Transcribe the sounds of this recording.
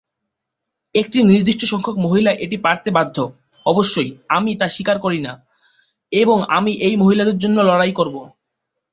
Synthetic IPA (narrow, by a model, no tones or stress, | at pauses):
ek̚ʈiniɾd̪iʃʈoʃɔŋkʰokmoɦilaʔeʈipaɾt̪ebad̪ʱːo | ɔboʃːojamit̪aʃikaɾkoɾina | eboŋa̰miʔejmoɦilad̪eɾd͡ʑonːolɔɽajkoɾbo